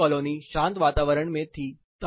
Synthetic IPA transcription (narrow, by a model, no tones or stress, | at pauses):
ɔloniɕãnt̪ʋat̪aːʋəɾəɳmẽt̪ʰiː | t̪ə